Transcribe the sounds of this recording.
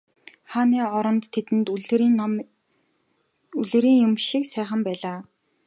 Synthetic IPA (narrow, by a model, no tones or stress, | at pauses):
χaːniːɔɾɞ̆nt̪ʰːet̪ɘ̆nt̪ːn | uɮɘ̆ɾiːŋjʊmʃiksæːχə̆mpæːɮaː